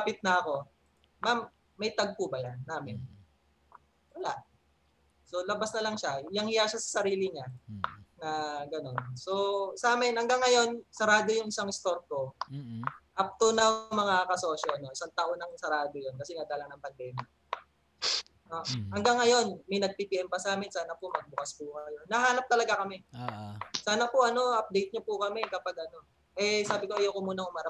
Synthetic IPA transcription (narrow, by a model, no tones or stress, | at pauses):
pɪt̪̚nɐɐko̞ | mamː | ɐjt̪ɐɡ̚puːbɐjanːaːmɪn | wɐlaʔ | so̞lɐbasnɐlɐŋʃajaŋhɪjaʃasɐ̥sɐɾiːlɪŋa | nɐɡɐno̞nso̞saːmɪnhɐŋɡaŋːɐjo̞nsɐɾaːd̪ojʊŋɪsaŋɪst̪o̞ɾko̞ | ʔɐp̚t̪onɐmɐŋakɐso̞ːʃoʔɐno̞ʔɪsaŋt̪ɐʔonɐŋsɐɾaːd̪ojonkɐsɛnɐd̪aːlɐnɐŋpɐnd̪ɛːmja | noʔɐŋɡaŋːɐjo̞nmɐjnɐɡ̚piːpiʔɛmpɐsaːmɪnsaːnɐpomɐɡ̚bʊkɐspʊkɐjonːɐɦaːnɐp̚t̪ɐlɐɡakɐmɛoʔsaːnɐpʊʔɐno̞ʔɐp̚d̪ejt̪̚ɲopʊkɐmɛkɐpaɡ̚ʔɐno̞ | ʔɛsaːbɪko̞ʔɐjokomuːnɐŋʊmaɾɐ